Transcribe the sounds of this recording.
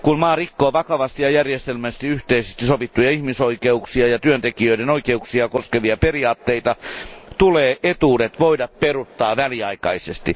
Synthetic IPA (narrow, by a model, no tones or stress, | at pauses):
kunmɑːrikːoːʋɑkɑʋɑst̪ijɑjærjest̪elmæst̪iyht̪eisest̪isoʋit̪ːujɑihmisoikeuksiɑjɑt̪yønt̪ekiøiɾenoikeuksiɑkoskeʋiɑperiɑːt̪ːeit̪ɑt̪uleːʔet̪uːdet̪ʋoidɑpperut̪ːɑːʋæliɑikɑisest̪i